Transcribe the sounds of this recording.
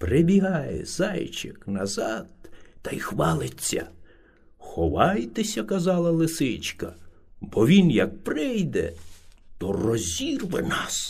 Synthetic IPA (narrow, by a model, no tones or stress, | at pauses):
pɾebʲiɦɑjḛzɑjt͡ʃɪknɐzɑd̪̚ːɐjxʋɑlˠɪt͡sʲːɐ̰ | xɔʋɑjt̪esʲɐkɐzɑlˠɐlˠɪsɪt͡ʃkɐ | bɔʋʲinjɐk̚pɾɪjd̪ɛ̰t̪ɔrɔzʲirʋɪ̰nɑs